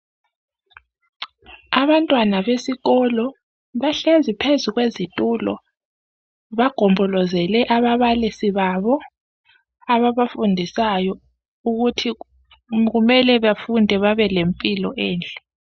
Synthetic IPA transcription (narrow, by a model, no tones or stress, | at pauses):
aβantʼwanaβesiɣɔlɔ | βaɬezipʰezuɣwezitʼuːlɔ̰ | βaɡ̥ʱɔmbʱɔlɔzɛlɛʔaβaβalisiβaβɔ | aβaβafundʱisajɔ | uɣutʰi | ɣumɛlɛβafundʱɛβaβɛlempʼilɔʔeːnd͡ɮʱʼɛ